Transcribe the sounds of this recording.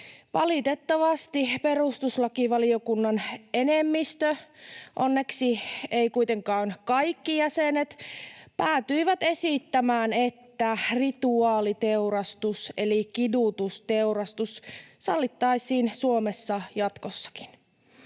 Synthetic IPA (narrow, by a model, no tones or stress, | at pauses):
ʋɑlit̪et̪ːɑʋɑst̪iperust̪uslɑkiʋɑliokunːɑnenemːist̪øʔo̰nːeksieikuit̪eŋkɑːŋkɑjkːijæsenet̪pæːt̪yiʋæt̪e̞sit̪ːæmæːnet̪ːærit̪uɑːlit̪euɾɑst̪uselikidut̪ust̪euɾɑst̪ussɑlːit̪ːɑisiːnsuomesːɑjɑt̪kosːɑ̥ki̥n